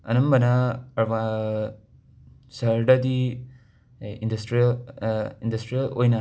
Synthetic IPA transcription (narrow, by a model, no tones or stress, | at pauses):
ɐnɐmbɐnaɐɾba | sɐɾdɐdi | indɐstɾilindɐstɾijɐlo̰jnɐ